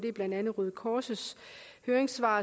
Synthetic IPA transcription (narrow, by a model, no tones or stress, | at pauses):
d̥e̝b̥lænd̥ænð̩ˠʁyð̩ˠkʰɒːsəshøːɐʁeŋsʋɑ̰̈ː